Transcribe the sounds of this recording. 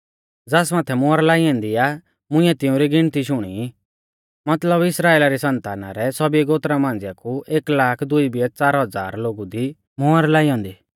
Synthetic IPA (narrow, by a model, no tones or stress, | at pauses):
d͡zaːsmaːt̪ʰɛmʊaɾlaːiɔ̃ːnd̪ia | mʊ̃ɪ̃ɛt̪ɪũɾiɡɪɽ̃t̪iʃʊɽ̃ḭ | mɐt̪ləbɪsɾaːeːlaɾisɐ̃nt̪aːna̰ɾɛsɔbiɛɡoːt̪ɾamãːnd͡zjakuʔeːklaːkʰd̪ʊibiɛt͡saːɾɦɐd͡za̰ːɾloːɡud̪i | mʊaɾlaːijɔ̃ːnd̪iː